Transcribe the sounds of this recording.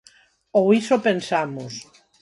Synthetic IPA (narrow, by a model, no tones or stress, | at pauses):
owisopensamʊs